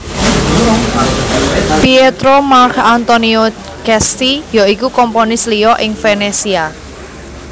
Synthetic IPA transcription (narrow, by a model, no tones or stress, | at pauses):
piet̪ɾomarkant̪onio | kɛst̪ijɔikukɔmponɪsliɔʔɪŋfenesia